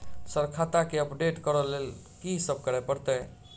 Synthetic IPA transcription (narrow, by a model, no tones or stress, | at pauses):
səɾkʰat̪akeəpɖeʈkəɾəlel | kisəb̚ʱkəɾɛpəɾt̪ə